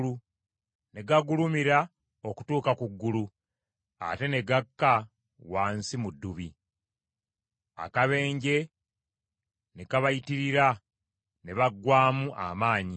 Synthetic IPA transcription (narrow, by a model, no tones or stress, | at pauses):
u | ne̞ɡaɡulumiɾa | o̞ku̥tuːkakuɡːulu | a̰te̞ne̞ɡakːa | waːnsimudːuβi | a̰kaβe̞ːɲɟe̞ | ne̞kaβajitiɾiɾa | ne̞βaɡwaːmuʔa̰maːɲi